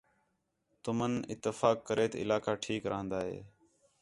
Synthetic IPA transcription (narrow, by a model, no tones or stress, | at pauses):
t̪ʊmənɪt̪ːəfaːkːəɾeːt̪ːɪlaːkaːʈʰiːkɾəɦə̃nd̪aːɦḛː